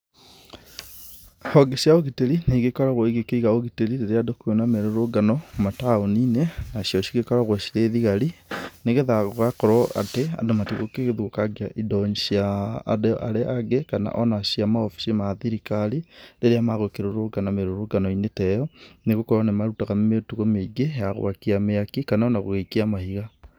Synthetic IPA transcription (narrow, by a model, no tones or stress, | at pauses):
hɔɡesjaoɣiteɾineɣekɔɾaɣwɔiɣekeiɣaoɣiteɾiɾeɾeadokuonameɾoɾoɡanɔmataoninenaɕiɔɕiɣekɔɾaɣwɔɕiɾeðiɣaɾineɣeðaɣoɣakɔɾɔa̰tea̰domatiɣokeɣeðwokaɡeaʔidɔɲʃia̰ːdeʔa̰ɾeʔaɡekana̰ʔɔnaʃiamaofi̥simaðiɾikaɾideɾeamaɣokeɾoɾoɡanameɾoɾoɡanɔinetɛjɔneɣokɔɾanemaɾutaɣametuɣomeɡejaɣo̰wakiameakikanaɔnaɣo̰ɣekiamahiɣa